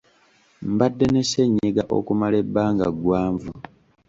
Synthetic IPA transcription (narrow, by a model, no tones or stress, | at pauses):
mbadːeneseɲːeɡaʔo̞̰kumale̞bːaːŋɡa̰ɡwaːɱvu